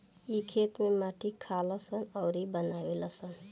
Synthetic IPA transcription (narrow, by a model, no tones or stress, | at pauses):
ikʰeːt̪mẽmaːʈʰikʰaːlasənɔːɾibənaːwelasən